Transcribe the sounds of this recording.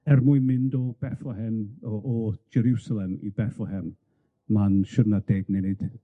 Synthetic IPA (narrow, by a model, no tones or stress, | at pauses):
ɛrmʊɨmɪndɔb̥ɛfɔhɛnɔʔːd͡ʒɛɾusalˠɛmḭbɛfɔhɛm | manʃʊdnadeːɡnɛnɨd̥